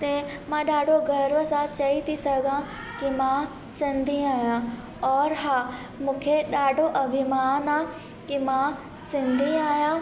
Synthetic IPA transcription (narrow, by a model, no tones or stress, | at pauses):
t̪e | mãɗaːɖʱoɡʱɐɾʋəsãt͡ɕɐit̪ʰisɐɡʱã | kimã | sɪ̃nd̪ʱiaːjã | ɔːɾɦaː | mũːkʰeɗaːɖʱoʔɐbʱɪmaːnã | kimã | sɪ̃nd̪ʱiaːjã